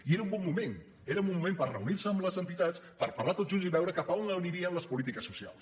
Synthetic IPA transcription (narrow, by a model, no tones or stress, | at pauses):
ieɾəumbɔmːumen | eɾəumumːumempərrə̰uniɾsəːmləzənt̪it̪att͡s | pəɾpərlat̪ot̪ʒunziβɛwɾəkapəonləuniɾiəːmləspulit̪ikəsːusia̰lˠs